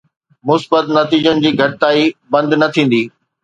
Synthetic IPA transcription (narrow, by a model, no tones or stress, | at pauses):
mʊsbət̪nɐt̪iːd͡ʑənɪ̆d͡ʑiːɡʱɐʈɪt̪aːibɐ̃nd̪nɐt̪ʰĩːn̆d̪iː